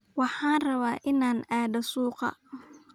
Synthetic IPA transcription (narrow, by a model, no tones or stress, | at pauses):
wɑħɑːnrɐβaːʔɪnaːnaːd̪ɐsuːqɑ̰